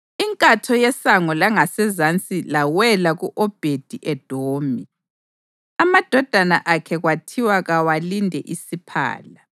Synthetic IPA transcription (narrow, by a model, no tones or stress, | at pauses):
iŋkʼatʰɔjɛsaŋɔlaŋasɛzant͡sʼilawɛlaɣuʔɔb̥ʱed̥ʱiʔɛd̥ʱoːmʱi | amad̥ʱɔd̥ʱanaʔakʰɛɣwatʰiwaɣawalindʱɛ̰ʔisipʰa̰ːla